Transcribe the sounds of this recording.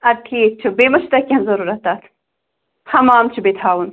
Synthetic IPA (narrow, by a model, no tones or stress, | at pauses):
ɐʈʰiːt͡ʃʰubeːmɐʃt̪ɐkʲɐnzɐɾuɾɐt̪aːt̪ʰ | hɐmaːmt͡ʃʰibet̪ʰaːwun